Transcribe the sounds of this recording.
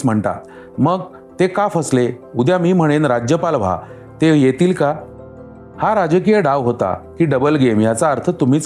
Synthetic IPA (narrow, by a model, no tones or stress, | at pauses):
m̤əɳt̪a̰ | məɡ | t̪ekafəsleud̪jamiːm̤əɽ̃enɾad͡ʑjəpalʋ̤a̰ | t̪ejet̪iːlka | haɾad͡ʑək̬ijəɖaʋɦot̪a̰kiːɖəbəlɡemjat͡saəɾt̪ʰət̪um̤iːt͡s